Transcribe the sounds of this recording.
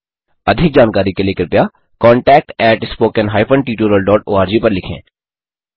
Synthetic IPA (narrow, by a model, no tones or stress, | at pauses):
ɐd̪ʱɪk̚d͡ʒaːnkaːɾikelekəɾpjaː | kɔ̃ːɳʈɛːk̚ʈɛːʈɪspoːkənɦaːɪpʰəɳʈiːʈuːɾəlɖɔːʈo̰ːaːɾd͡ʒiːpɐɾlɪkʰḛ̃ː